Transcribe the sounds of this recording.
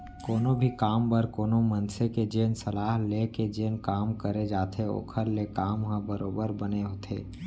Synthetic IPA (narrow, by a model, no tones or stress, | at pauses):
koːnõbʱikaːmbəɾkoːnomənseked͡ʒeːnsəlaːɦleked͡ʒeːnkaːmkəɾed͡ʒaːt̪ʰeo̰ːkʰəɾlekaːmɦə̃bəɾoːbəɾbəneɦoːt̪ʰḛː